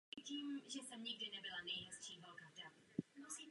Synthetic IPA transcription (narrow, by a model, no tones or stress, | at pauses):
iciːmʒɛsɛmɲɪɡ̚dɪnɛbɪlanɛjɦɛst͡ʃiːvalkadamusi